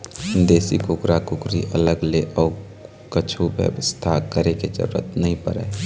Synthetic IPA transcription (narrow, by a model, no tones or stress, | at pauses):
nd̪eːsikʊkɾakʊkɾiʔələɡleʔɔː | kət͡ʃʰuʋjə̰wəst̪ʰakəɾeked͡ʒə̰ɾṵɾə̰t̪nəɦĩpə̰ɾɛ̰ː